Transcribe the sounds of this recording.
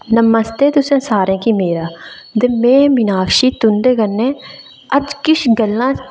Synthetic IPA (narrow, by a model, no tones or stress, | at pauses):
nəməst̪eːt̪ʊsẽːsaːɾẽːkimeːɾaː | d̪emẽːmɪnaːkʃiːt̪ʊnɖ̪eːɡənːẽː | əd͡ʒkɪʃɡəlːãː